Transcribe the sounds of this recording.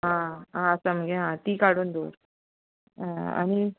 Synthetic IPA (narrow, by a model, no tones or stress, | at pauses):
ɦãɦãəsaməɡeɦãt̪iːkaɽuːnd̪oːɾ | a̰ñi